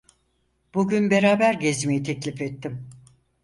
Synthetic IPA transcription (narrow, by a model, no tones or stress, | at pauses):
b̥uɟynbe̞ɾaːbæɾɟezmejit̪ʰɛclʲifɛt̪ʰːim